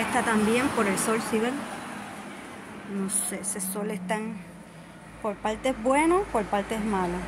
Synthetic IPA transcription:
est̪at̪ambje̞mpo̞ɾe̞lso̞lsiβeɾ | nosesesolest̪aŋ | po̞ɾpalt̪ezbwe̞nopoɾpalt̪eezmalo

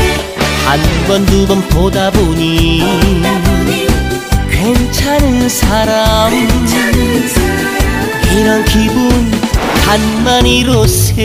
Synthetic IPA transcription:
hanɡwʌndubʌnpodaboɲi | kwent͡ɕʰanɯnsʰaɾamd͡ʑi | iɾʌnkibunpanmaɲiɾose

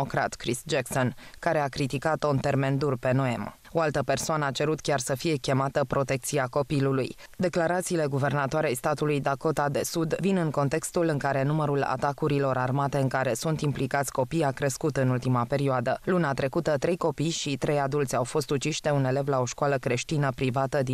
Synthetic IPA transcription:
okɾa̰t̪kɾisd͡ʒekso̞nkaɾe̞akɾit̪ikat̪ont̪e̞rme̞nd̪urpe̞no̞em | o̞alt̪əpe̞rsoanəat͡ʃe̞ɾut̪kʲarsəfije̞kʲe̞mat̪əpɾo̞t̪e̞k̚t̪siako̞pilulujd̪e̞klaɾat̪siːle̞ɡuve̞rnat̪oaɾeajst̪at̪ulujd̪ako̞t̪ad̪e̞sud̪vinɨŋko̞nt̪e̞kst̪ulɨŋkaɾe̞numəɾula̰t̪akuɾilo̞ɾʔarmat̪e̞ɨŋkaɾe̞sunt̪implikat̪sʲko̞pijakɾe̞skut̪ɨnult̪imape̞ɾioad̪əluneat̪ɾe̞kut̪ət̪ɾe̞jko̞pijʃit̪ɾe̞jad̪ult̪sʲawfo̞st̪ut͡ʃiʃt̪e̞une̞le̞vlao̞ʃkwaləkɾe̞ʃt̪inəpɾivat̪əd̪i

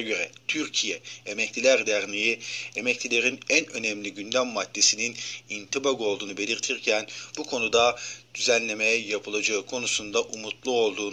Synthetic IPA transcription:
ɟø̞ɾɛt̪ʰyɾcʰijɛemɛclʲilʲæɾd̪æɾnʲijiemɛclʲilʲe̞ɾinænø̞nɛmlʲiɟynd̪æmːad̪ːe̞sininint̪ʰibaɡo̞lˠd̪uːnube̞lʲiɾt̪ʰiɾcʰænb̥ukʰo̞nud̪ad̪̥yzænlʲe̞mejɛjapʰɯlˠad͡ʒaɯkʰo̞nusund̪aʔumut̪lˠuo̞lˠd̪uː

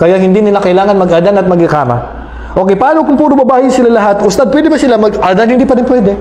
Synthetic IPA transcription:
kɐjaɦɪnd̪inɪlakɐɪlaːŋɐnmɐɡʔad̪anɐt̪̚mɐɡhɪkaːmɐ̰ | ʔo̞ːkɛjpaaːnokʊŋpuːɾʊbɐbaːhɪjsɪlalɐɦat̪ʔʊst̪ad̪̚pwɛːd̪ɪpɐsɪlamɐɡʔad̪anhɪnd̪iːpɐɾɪnpwɛːd̪ɛ

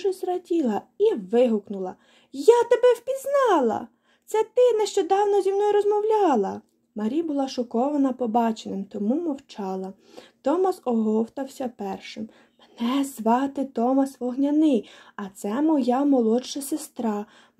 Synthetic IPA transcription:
ʒɛzrɐdʲilˠɐiʋɪɦʊknʊlˠɐ | jat̪ɔbɛwpʲiznɑlˠɐ̰ | t̪sɛt̪ɪneʃt͡ʃɔd̪ɑwnɔzʲimnɔjɾɔzmɔwlʲɑlˠɐ | mɐɾʲijbʊlˠɑʃʊkɔʋɐnɐpɔbɑt͡ʃenɪmt̪ɔmumɔwt͡ʃɑlˠɐ | t̪ɔmɐsɔɦɔwt̪ɐwsʲɐpɛrʃɪm | menɛzʋɑt̪ɪt̪ɔmɐsʋɔɦnʲɐnɪjɐt̪sɛmɔjamɔlˠɔʃɐsest̪ɾɑ

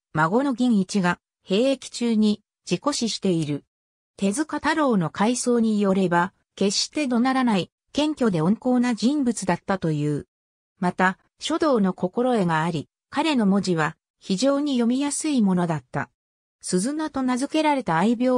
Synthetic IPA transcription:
maɡo̞no̞ɡʲĩɰit͡ɕiɡa | he̞ːekʲi̥t͡ɕɨːɲ̟i | d͡ʑiko̞ɕiɕi̥t̪e̞iɾɯ̟ | t̪e̞zɨkat̪aɾo̞ːno̞kaiso̞ːɲ̟ijo̞ɾe̞ba | ke̞ɕt̪e̞d̪o̞naɾanai | kẽ̞ŋkʲo̞d̪e̞õ̞ŋko̞ːnad͡ʑĩmbɯ̟t͡sɨd̪at̪ːat̪o̞jɯ̟ː | mat̪a | ɕo̞d̪o̞ːno̞ko̞ko̞ɾo̞e̞ɡaːɾʲi | kaɾe̞no̞mo̞ʑiβ̞a | çiʑo̞ːɲ̟ijo̞mʲijasɨimo̞no̞d̪at̪ːa̰ | sɨzɨnat̪o̞nazɨke̞ɾaɾe̞t̪aːibʲjo̞ː

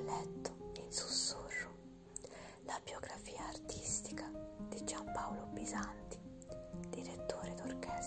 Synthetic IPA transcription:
lɛt̪ːʊ̥insu̥sːurːʊ | labjoɡɾafiːaːrt̪ʰist̪ikad̪̥id͡ʒampawlobizant̪i̥ | d̪iɾet̪ːoːɾed̪orkɛːs

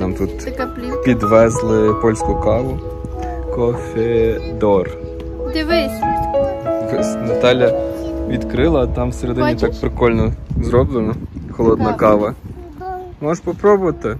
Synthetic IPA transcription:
nɑmt̪ut̪ | pʲid̪ʋɛzlˠɪpɔlʲsʲkʊkɑʋʊ | kɔfʲed̪ɔr | ʋɛ | ʋɔsʲnɐt̪ɑlʲjɐʋʲid̪kɾɪlˠɐt̪ɑmseɾed̪ɪnit̪ɑk̚pɾɪkɔlʲnɔzɾɔblˠenɔxɔlˠɔd̪nɐkɑʋɐ | mɔʃpɔpɾɔbʊʋɐt̪ɪ

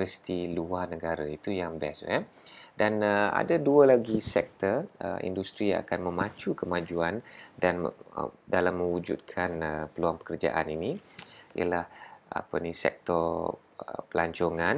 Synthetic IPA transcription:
əsi̥t̪iluarnəɡaɾait̪ujaŋbɛ̰sɛ | danəa̰daduəlaɡisɛk̚t̪ərə̰ḭndust̪ɾia̰kanmə̃mat͡ʃukəmad͡ʒuandandalamːə̃wud͡ʒṵt̪̚kʰanəpəluaŋpə̥kərd͡ʒa̰ʔaniniḭjə̰laha̰pənĩsɛ̰k̚t̪ɔr | pəlaɲt͡ʃoŋan

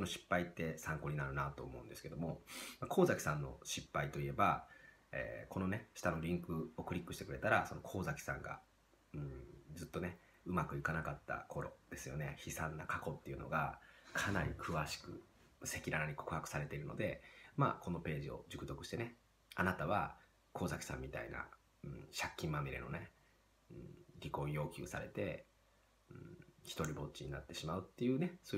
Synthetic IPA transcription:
konoɕi̥pːait̪ːe̞sãŋko̞ɲ̟inaɾɯ̟nat̪o̞ːmo̞ɯ̟̃nd̪esɨ̥ke̞d̪o̞mo̞mako̞ːzakʲi̥sãnːo̞̰ɕipːait̪o̞ie̞baḛːko̞no̞ne̞ɕi̥t̪ano̞ɾʲĩŋkɯ̟o̞kɯ̟ɾʲikːɯ̟ɕit̪e̞kɯ̟ɾe̞t̪aɾaso̞no̞kʰo̞ːzakʲi̥sã̰ŋɡa̰ | ɯ̟̃d͡zzɨt̪ːo̞ne̞ | ɯ̟makɯ̟ikanakat̪ːa̰kʰo̞ɾo̞̰d̪̥e̞sɨjo̞̰ne̞çisãnːakʰako̞t̪ːe̞iɯ̟no̞̰ɡakʰanaɾʲikʰɯ̟βaɕi̥kɯ̟ | se̞kʲiɾanaɲ̟ikokɯ̟hakɯ̟̥saɾe̞t̪e̞iɾɯ̟nod̪e̞ma̰ko̞no̞pe̞ːʑio̞̰ʑɨkɯ̟t̪o̞kɯ̟ɕi̥t̪ene̞ | anat̪aβ̞a | ko̞ːzakʲi̥sã̰mʲːit̪a̰ina̰ | ɯ̟̃ɕakʲːĩmːamiɾḛno̞̰ne̞ | ɯ̰̃ɾʲiko̞ːijo̞ːkʲɨːsa̰ɾe̞̰t̪e̞ | ɯ̃çi̥t̪o̞ɾʲibo̞tt͡ɕiɲ̟inat̪ːe̞ɕimaɯ̟t̪ːe̞jɯ̟ːne̞so

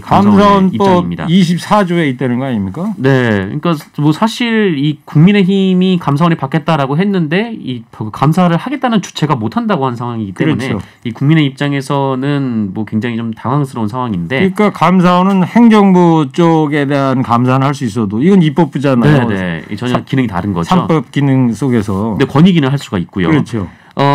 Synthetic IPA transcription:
kaamasaonit͈t͡ɕoimɲida̰iɕʰip̚s͈ʰad͡ʑoeit͈enɯnɡʌaɲimɲik͈ane̞kɯɲik͈amʌsʰaɕʰiɭikuŋmine̞çimikamsʰaʌnipak͈ʰe̞t̚t͈aɾaɡoɦe̞nːɯnde̞ikamsʰaɾɯɭhaɡe̞t͈anɯnt͡ɕu̥t͡ɕʰe̞ɡamotʰandaɡohannsʰaŋɦwaŋiɡitk͈e̞ɾunt͡ɕeo | ikuŋmine̞ip̚t͡ɕ͈aŋe̞sʰʌnɯnmwʌkwe̞ŋd͡ʑaŋit͡ɕomtaŋwaŋsʰɯɾʌunsʰaŋɦwaŋinde̞ik͈akamsʰaonɯnheŋd͡ʑʌŋbut͡ɕ͈oɡe̞de̞ɦankamsʰanɯɭɦaɭs̬͈uis̬͈ʌdoiɡʌnip͈ʌp͈̚ud͡ʑanaene̞t͡ɕʌɲakinɯŋita̰ɾɯnɡʌaop͈ʌp̚k͈inɯŋs͈oɡe̞s̬ʰʌne̞kwʌɲiɡinɯɦaɭs͈uɡait̚k͈ujo̰ɯɾʌt͡ɕʰo | ʌ

